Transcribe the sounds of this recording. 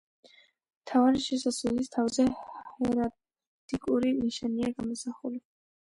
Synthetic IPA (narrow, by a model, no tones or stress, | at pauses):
mt̪ʰavaɾiʃɛsaslɛlist̪ʰavzɛɛɾa | t̪ʼikʼuɾiniʃaniaɡamɔsaχuli